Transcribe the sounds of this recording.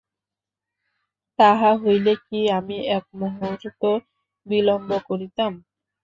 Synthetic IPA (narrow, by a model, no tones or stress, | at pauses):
t̪aɦaɦojlekiamiɛk̚moɦoɾt̪o | bilombokoɾit̪am